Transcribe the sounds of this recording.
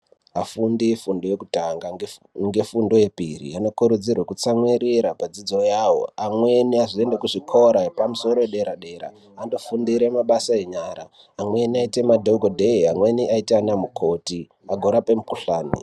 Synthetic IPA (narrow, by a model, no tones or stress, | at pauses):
afundifundo̞jekutaŋɡa | ŋɡe̞fundo̞je̞pḭrḭano̞kuɾud͡zirwekut͡samweɾiɾapad͡zid͡zo̞jawo̞̰amwe̞niaʐie̞ndekuʐikʰo̞ɾaepamuso̞ɾojeɗe̞ɾaɗe̞ɾa̰ | ando̞fundiɾe̞maɓasaeɲaːɾaː | mwe̞niaitemadʱoɡodʱeiamwe̞niʔaitianamukʰo̞ti | aɡʱoɾape̞mukuɬaːnḭ